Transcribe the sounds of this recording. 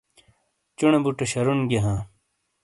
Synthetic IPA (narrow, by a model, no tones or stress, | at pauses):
t͡ɕunebuʈoɕɐɾunɡeɦãː